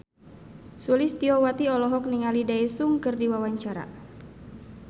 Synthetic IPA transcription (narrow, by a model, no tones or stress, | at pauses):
sulist̪iɔwat̪iɔlɔɦɔk̚niŋalidaesuŋkɨrdiwawaɲt͡ʃaɾa̰